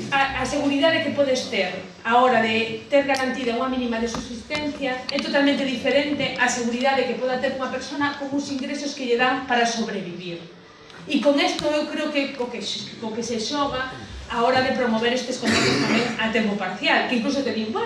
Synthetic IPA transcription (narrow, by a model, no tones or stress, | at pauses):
aaseɣuɾiðaðekepɔðest̪eɾ | aɔɾaðet̪eɾɣaɾant̪iðauŋamĩnimaðesuβsist̪en̟θjɐɛt̪ot̪almẽnt̪eðifeɾent̪eʔaseɣuɾiðaðekepɔðat̪eɾuŋapeɾsonɐkoŋuŋsiŋɡɾesoskeʎeðaŋpaɾasoβɾeβiβiɾ | ikoŋɛst̪oewkɾeokekokeʃokeseʃɔɣaaɔɾaðepɾomoβeɾest̪eskond̪eθost̪amẽŋat̪empopaɾθjalkeiŋklus̬ot̪eðiɣa